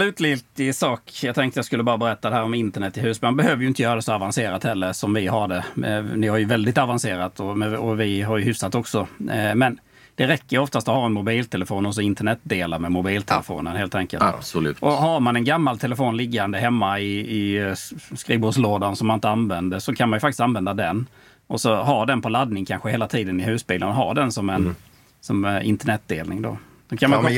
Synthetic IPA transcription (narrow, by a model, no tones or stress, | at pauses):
lʉ̟ːt̪lɪt̪ɪsɑːkjɑɡt̪ʰɛŋkt̪əjaskɵlːəbɑːɾabɛɾɛt̪ːad̪ɛɦæːɾɔmɪnt̪əɳɛt̪ːɪɦʉːsmanbɛhøːvəɾjʏɪnt̪əjœːɾad̪ɛsɔavanseːɾat̪hɛlːəɾʂɔmvɪɦaɖɛnɪhaɾjɵvɛld̪ɪt̪avanseːɾat̪ʰɔmɛɔvɪɦaɾjɵɦʏfsat̪ɔksɔmɛn | d̪̥ɛɾɛkːəjəɔft̪ast̪ɔhaɾɛnmʊbiːlt̪ʰɛləfoːnɔs̬ɔɪnt̪əɳɛt̪̚d̪eːlaɾmɛmʊbiːlt̪ʰɛlə̰fo̰ːnənheːlt̪ʰɛŋkə̰lt̪ʉːʔɔɦaɾmanɛnɡamːalt̪ʰɛləfoːnlɪɡːand̪əɦɛmːaɪɪ | skɾiːvbʊsloːd̪ansɔmːanɪnt̪əanvɛnd̪əɾsɔkʰanmanjʏfakt̪ɪ̥st̪anvɛnd̪ad̪ɛn | ɔsɔɦaɾɖɛnpʰɔlad̪nɪŋkʰanɧəheːlat̪ʰiːd̪ənɪɦʉ̟ːsbiːlənɔɦa̰ɖɛnsɔmɛn | sɔmɪ̰nt̪əɳɛt̪̚d̪eːlnɪŋd̪o̰ | sɔkʰanma